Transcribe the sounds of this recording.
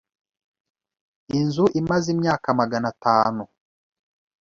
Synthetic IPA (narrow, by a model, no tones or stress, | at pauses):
inzuʔimazimɲaːkamaɡanataːnu